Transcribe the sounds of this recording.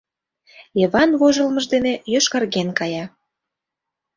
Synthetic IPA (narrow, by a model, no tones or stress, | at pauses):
jeβɑnβoʒə̆lməʒd̪enejøʃkɑrɣenkɑjɑ